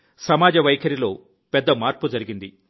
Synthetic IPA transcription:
sɐmaːd͡ʒɐʋɐjkʰɐɾilo̞ː | pɛd̪ːɐmaːɾpud͡ʒɐɾiɡind̪i

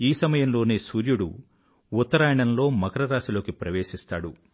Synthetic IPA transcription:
iːsɐmɐjɐmlo̞ːneːsuːɾjuɽṵ | ut̪ːɐɾaːjɐɳɐnlo̞ːmɐkɐɾɐɾaːsilo̞ːkipɾɐʋe̞ːʃist̪a̰ːɽu

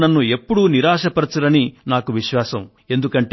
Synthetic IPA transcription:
nɐnːue̞pːuɽuniɾaːʂɐpɐɾɐt͡ʃuɾɐninaːkuʋiʃʋaːsɐm | e̞nd̪ukɐɳʈ

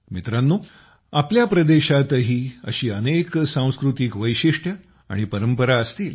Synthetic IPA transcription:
mit̪ɾanːuː | apljapɾəd̪eɕat̪ɦiːə̰ɕiːəneksãw̃skɾut̪iːkʋəjɕiʂʈʰə | a̰ɽ̃ipəɾəmpəɾaəst̪iːl

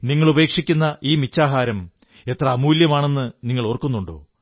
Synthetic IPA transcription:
niŋːɐɭube̞ːkʂikʲːunːɐʔiːmit͡ɕːaːɦaːɾɐm | e̞t̪rɐmuːljɐmaːɳe̞nːɨniŋːɐɭorkːunːuɳɖo̰ː

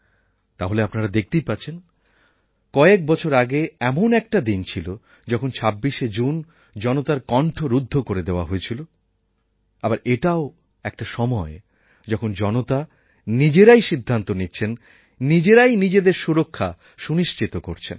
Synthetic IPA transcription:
t̪aɦoleapnaɾad̪ek̚ʰt̪ejpat͡ɕʰen | kɔeek̚bɔt͡ɕʰoɾaɡeɛmonɛk̚ʈad̪int͡ɕʰilo | d͡ʑɔkʰont͡ɕʰabːiʃed͡ʑun | d͡ʑɔnot̪aɾkɔɳʈʰoɾud̪ʱːokoɾed̪eoa̰ɦojet͡ɕʰilo | abaɾeʈao | ɛk̚ʈaʃɔmɔe | d͡ʑɔkʰond͡ʑɔnot̪a | nid͡ʑeɾajʃid̪ʱːant̪oniːɕʰenː | id͡ʑeɾajnid͡ʑed̪eɾʃuɾokʰːa | ʃuniʃt͡ɕit̪okoɾt͡ɕʰen

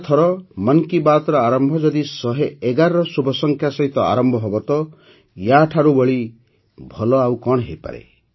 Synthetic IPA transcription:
t̪ʰɔɾɔmɔŋkibat̪ɔɾɔaɾɔmbʱɔd͡ʒɔd̪isɔɦeeɡaɾɔɾɔsubʱɔsɔŋkʰjasɔɦit̪ɔa̰ɾɔmbʱɔɦɔbɔt̪ɔ | jaʈʰaɾubɔɭi | bʱɔlɔawkɔɽ̃ɦejpa̰ɾḛ

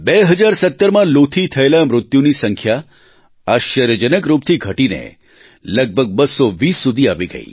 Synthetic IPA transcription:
beɦəd͡ʒaɾsət̪ːəɾmãlot̪ʰit̪ʰəelamɾʊt̪junisəŋkʰja | aʃəɾjəd͡ʒənəkɾup̚t̪ʰiɡʱəʈinḛ | ləɡ̚bʱəɡ̚bʱəsːɔʋisːud̪ʱiaʋiɡə̰ḭ

